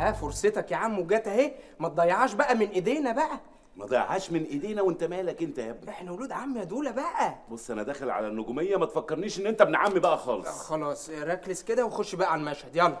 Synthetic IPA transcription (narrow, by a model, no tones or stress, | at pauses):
hæːfoɾset̪ɑkjaʕamːweɡæːt̪æhe | mæt̪̚d̪ˤɑjːɑʕɑːʃbæʔæmenʔed̪eːnæbæʔæ | mæd̪ˤɑjːɑ̰ʕaːʃmenʔed̪eːnæwent̪æmæːlækʔent̪ææʔeħnæwoluːd̪ʕamːjæd̪uːlæbæʔæbosˤːʔænæd̪æːxælʕa̰lænːoɡumejːæmæt̪efækːeɾniːʃʔenːʔent̪æbenʕamːibæʔæxɑːlesˤxɑlɑːsˤɾˤæklesked̪æwexoʃʃːbæʔæʕalmæʃhed̪jælːɑ